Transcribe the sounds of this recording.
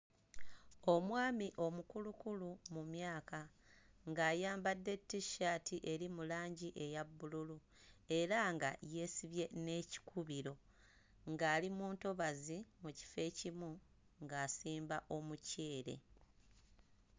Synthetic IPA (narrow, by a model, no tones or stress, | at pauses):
o̞mwaːmiʔo̞mukulukulumumjaːka | ŋɡaːjaːmbadːe̞tːiʃaːtʰiʔe̞ɾimulaːɲɟiʔe̞jabːululu | e̞ɾaŋɡa̰je̞ːsiβje̞ne̞ci̥kʰuβiɾo̞ | ŋɡaːlimuːnto̞βazimuci̥fe̞ːcimu | ŋɡaːsiːmbaʔo̞muceːɾe̞̰